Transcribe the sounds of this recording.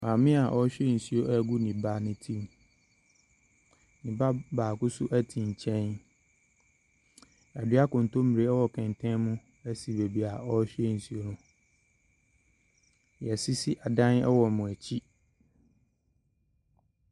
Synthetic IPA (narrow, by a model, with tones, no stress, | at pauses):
mãː˨mɪ̃˦a˨ʔɔ˦ɕᶣe˦n̩˨su˨o˦ʔæ˦ɡu˦nĩ˨ba˦nɪ̃˦tʰĩ˦m˨ | nĩ˨ba˦baː˨kʊ˦sʊ˦ʔæ˦tʰĩ˨ɲ̩˨t͡ɕʰɛ̃˦n | a˨dɪ˦a˦kʊ̃˨n˨tõ˦mi˨ɾe˦ɛ˦wɔ˨kʰɛ̃˨n˨tʰɛ̃˦mʊ̃˦ | æ˦si˨be˨bi˨a˨ɔ˦ɕᶣe˦n̩˨su˨o˦nʊ̃˦ | jɛ˨si˦si˦ʔa˨dã˦nɛ̰˦wɔ˨mʊ̃˨æ˨t͡ɕʰi˦